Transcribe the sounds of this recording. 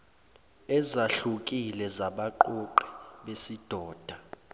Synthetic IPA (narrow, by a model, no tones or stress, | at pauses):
ɛzaɬukʼilɛzaɓaǃoǃi̥ɓesid̥ʱɔːd̥ʱa